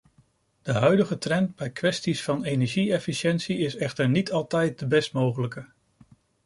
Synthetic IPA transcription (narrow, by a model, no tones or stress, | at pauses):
d̥əɦœɥdəχətrɛnd̚bɛjkʋɛstisfɑnenɛɹʒiɛfiʃɛnsiɪsɛχtəɹnitʰɑlˠtɛjt̚dəbɛstmowχələkə